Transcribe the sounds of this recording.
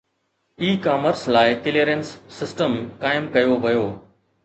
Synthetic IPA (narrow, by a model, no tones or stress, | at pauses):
iːkaːməɾslaːɪkɪliɾensːɪsʈəmkaːɪmkɐjoʋɐjoː